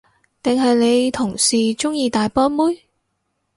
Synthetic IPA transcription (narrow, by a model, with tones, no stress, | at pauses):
t̪ɪ˨ŋɦɐ˨jne˨˧jt̪ʰʊ˨˩ŋsiː˨t͡ʃʊ˥ŋjiː˧t̪aː˨jpɔː˥nmuː˥j